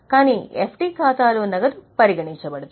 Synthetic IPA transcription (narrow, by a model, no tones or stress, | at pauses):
kaːniːepʰʈiːkʰaːt̪aːluːnɐɡɐd̪upɐɾiɡɐɳiɲt͡ʃɐbɐɽut̪